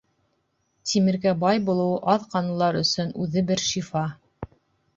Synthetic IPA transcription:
t̪ʲʰimɘ̆ɾɡæbɑjbulˠɤ̆wɤʔɑðqɑnŭlˠɑɾɵ̆sɵnʉðɘbɘɾʃifɑ

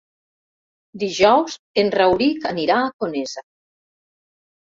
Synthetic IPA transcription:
d̪iʒɔwz | enrawɾikaniɾaːkoneza

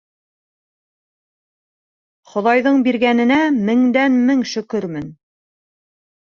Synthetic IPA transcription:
χŏðɑjðɤɴbiɾɣænɘ̆næmɘ̆ŋd̪ænmɘŋʃɵ̆kɵɾmɘn

